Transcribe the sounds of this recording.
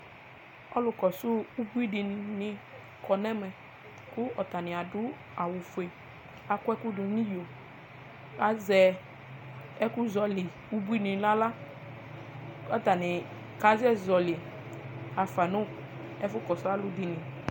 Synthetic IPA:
ɔ˦lʊ˧kɔ˨sʊ˦u˦bu˦i˦di˧n˨˧ni˧ | kɔ˨nɛ˦mɛ˨ | kʊ˦ɔ˨ta˨nɪ̃˨a˨dʊ˦ | a˨wʊ˨fu˨e˨ | a˧kʷɛ˦ku˦du˨˦nĩ˦jo˨ | a˨˦zɛ˧ | ɛ˦kʊ˦zɔ˧li˨ | u˦bu˦i˦nĩ˨˦la˦la˦ | ɔ˦ta˨ni˨ | ka˨˦zɛ˦˨zɔ˨lɪ˨ | a˨fa˨nʊ˦ | ɛ˦fʊ˦kɔ˨sʊ˦a˦lʊ˦di˧nĩ˨

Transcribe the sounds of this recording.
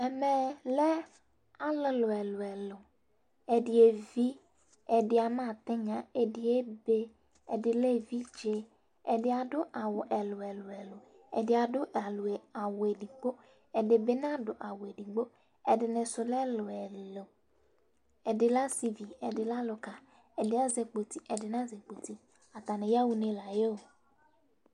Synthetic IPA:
ɛ˨mɛ˨lɛ˦ | a˦lɪ˨lʊ˨ɛ˨lʊ˨ɛ˨lʊ˨ | ɛ˨dɪ˨e˨vi˦ | ɛ˨dɪ˨a˨mã˦˨t̪ɪ˦ɲã˨e˨dɪ˨e˦be˦ | ɛ˨dɪ˨lɛ˦vi˦d͡ʒe˦ | ɛ˨dɪ˦a˨dʊ˦ʔa˨wʊ˨ʔɛ˨lʊ˨ɛ˨lʊ˨ɛ˨lʊ˨ | ɛ̰˨dɪ˨a˨dʊ˦ʔa˨lʊ˨ɛ˨a˨we˨di˨ɡ͡bo˦ | ɛ˨dɪ˨be˦n˦a˦dʊ˨ʔa˨wʊ˨e˨di˨ɡ͡bo˦ | ɛ˨dɪ˨nɪ̃˨sʊ˨lɛ˦lʊ˨ɛ˨lo˨ | ɛ˨dɪ˨la˦si˦vi˨ɛ˨dɪ˨la˦lʊ˨ka˨ | ɛ˨dɪ˨˦a˦ze˨k͡po˨ti˦ɛ˨dɪ˨n˦a˦ze˨k͡po˨ti˦ | a˨ta˨nɪ̃˨ja˦wu˦ne˦la˨je˦o˨

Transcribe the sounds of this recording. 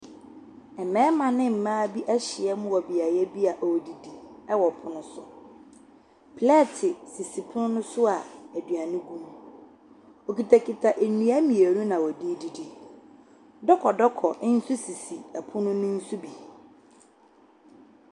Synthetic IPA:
ɛ˨mɛ̃ː˦mã˨nɪ̃˦m̩˨mãː˦bi˦ʔɛ˦ɕɪ˨ɛ˦mʊ̃˦wɔ˨bi˨a˨jɛ˦bi˦a˨ʔdi˨di˨ɛ˦wɔ˨pʰʊ˦nʊ̃˦sʊ˨ | pʰlɛ˦˨tʰɪ˨si˨si˨pʰʊ˦nʊ̃˦nʊ̃˦sʊ˦a˨æ˨dɥa˨nʊ̃˦ɡũ˦m | o˨ki˨tʰa˨kʰi˨tʰa˨ʔe˨nũ˨a˦mĩ˨e˨nũ˦nã˨wɔ˨di˦di˨di˨ | dɔ˦kʰɔ˨dɔ˦kʰɔ˨ʔn̩˦su˦si˨si˨a˨pʰʊ˦nʊ̃˦nʊ̃˦n̩˦su˦bi˨

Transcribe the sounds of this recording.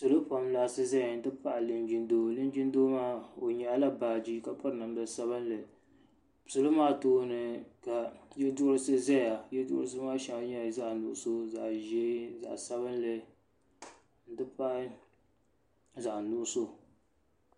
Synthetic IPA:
sɨ˨lo˦pa˨mlaː˨sɨ˦zɛ˦˨n̩˨tɨ˦pa˦ʔlɨ˨nd͡ʒi˨˦ndoː˦lɨ˦n˦d͡ʒi˦n˦do˦maː˦o˨ɲɛ˨˦la˦baː˨d͡ʒi˦ka˨pɔ˦ɾɨ˨nɨ˨m˦bɛ˨sa˦βɨ˦nlɨ˨ | sɨ˨lo˦maː˦toː˦nɨ˨ka˨jɛ˦dʊ˦ɾɨ˦sɨ˦zɛ˦a˨jɛ˦dʊ̰˦ʔɾɨ˦sɨ˦maː˦ʃa˨˦ŋ˦ɲɛ˦˨za˦ʔnʊ˨ʔʊ˨so˦za˨ʔʒɛ˦za̰˨ʔsa˦βɨ˦nlɨ˨ | n̩˦˨tɨ˦pa˦ʔ | za˨ʔnʊ˦˨ʔʊ˦so˦

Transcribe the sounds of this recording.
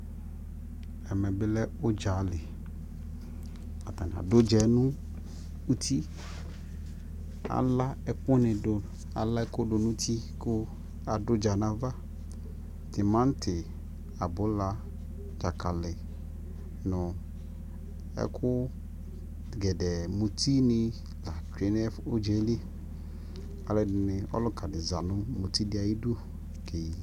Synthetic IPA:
ɛ˨mɛ̃˨bɪ˦lɛ˦o˦d͡ʒa˨˦lɪ˨ | a˨t̪a˨nã̰˨do˦d͡ʒɛ˨˦nũ˦ | u˦t̪ʰi˦ | a̰˨la˦ɛ˨k͡po˦nɪ̃˨do˨ | a̰˨la˦ɛ˦ko˦ɖo˨nũ˦t̪ʰi˦ko˦ | a˨do˦d͡ʒa˨nã˨va˦ | t̪e˨mã˦n˦tʰɪ˨ | a˨bʊ˨˦la˦ | d͡ʒa˨ka˨lɪ˨ | nʊ˨ | ɛ̰˦kʰʊ˦ | ɡɛ˨dɛ˨mo˨tʰi˦nɪ˦ | la˨t͡ʃᶣe˨nɛ˦fo˦d͡ʒe˨˦li˦ | a˨lɛ˨nɪ˨ɔ̰˦lʊ˦ka˨dɪ˨za˨nʊ̃˦mo˨ti˦dɪ˦a˨ji˦du˦ | ke˨ji˨

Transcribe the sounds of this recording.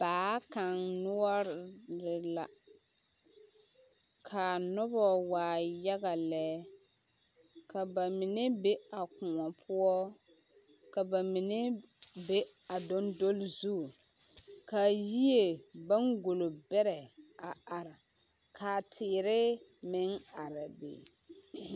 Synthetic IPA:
b̥aː˨˦ka˨ŋnʊ˦ɔ˦ɾɾɪ˨la̰˨ | kʰa˨nʊ˦bɔ˦waː˨ja˦ɣa˨lɛː˦ | ka˨ba˨mɪ˨nɛ˦be˦a˨kʊ˨ŋɔ˨pʰʊ˦ɔ˦ | ka˨ba˨mi˨ne˦be˦ | a˨do˦ndo˦lzu˦˨ | ka˨ji˦e˨ba˦ŋɡo˨lo˨bɛ˦ɾɛ˨a˨a˨ɾa˨ | kʰaː˨tʰɪː˨ɾɪ˦mɪ˦ŋa˨ɾa˨bḛː˨

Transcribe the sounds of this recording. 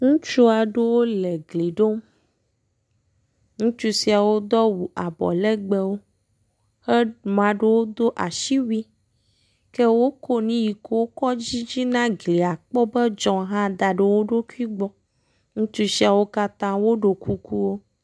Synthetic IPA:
ŋũ˦t͡ʃu˦a˨ɖe˦wo˦le˨ɡli˨ɖo˦m | ŋũ˦t͡ʃu˦si˦a˨wo˦d̪ɔ˦wu˨ʔa˨bɔ̰˨lɛ˦ɡ͡bɛ˨wo˦ | xe˦mã˨ɖe˦wo˦d̪o˦ʔa˨ʃi˦wi˦ | ke˦wo˦ko˦nĩ˦ji˨ko˦wo˦kɔ˦d͡ʑi˦d͡ʑi˦nã˦ɡli˨a˨k͡pɔ˦bɛ˦d͡ʒɔ̃˨ɦã˦d̪a˨ɖe˨wo˦ɖo˦ku˦i˦ɡ͡bɔ˦ | ŋũ˦t͡ʃu˦si˦a˨wo˦ka˦t̪ã˦wo˦ɖo˨kʰu˦ku˦wo˦

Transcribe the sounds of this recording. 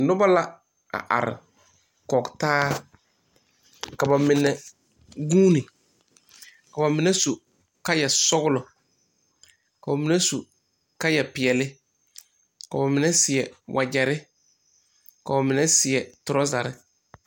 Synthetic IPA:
nʊ˦ba˦la˦ | a̰˨ʔa̰˨ɾɪ̰˨ | kɔ˨ktaː˦ | ka˨ba˨mɪ˨nɛ˨ | ɡuː˦nɪ˨ | ka˨ba˨mɪ˨nɛ˦su˨ | ka˦jɛ˨sɔ˦ɡʊ˦lʊ˨ | ka˨ba˨mɪ˨nɛ˦su˨ | ka˦jɛ˨pɪ˨ɛ˨lɪ˦ | ka˨ba˨mɪ˨nɛ˦sɪ˨ɛ˨wʔa˨d͡ʒɛ˨ɾɪ˦ | ka˨ba˨mɪ˨nɛ˦sɪ˨ɛ˨tʊ˨ɾɔ˦za˨ɾɪ˦

